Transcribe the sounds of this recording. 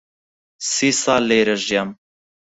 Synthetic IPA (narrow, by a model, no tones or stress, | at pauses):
siːsɑːlːeːɾɐʒjam